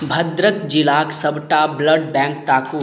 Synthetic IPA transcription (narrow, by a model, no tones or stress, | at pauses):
bʱɐd̪ɾəkd͡ʒɪlaːksəbʈabləɖbɛ̃ːŋkt̪aːkuː